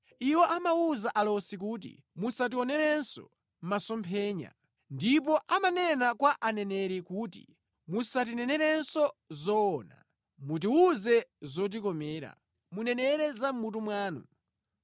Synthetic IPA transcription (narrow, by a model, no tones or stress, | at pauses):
iwɔʔamauzaʔalɔsik̬uːt̬ḭ | musat̬iɔnɛɾɛnsɔ̰ | m̩masɔmpʰɛːɲa̰ | ndip̬ɔʔamanɛnakwaʔanɛnɛɾikuːtḭ | musat̬inɛnɛɾɛnsɔzɔːna̰ | mut̬iuzɛzɔt̬ikɔmɛːɾa̰ | munɛnɛɾɛzam̩mut̬umwaːnṵ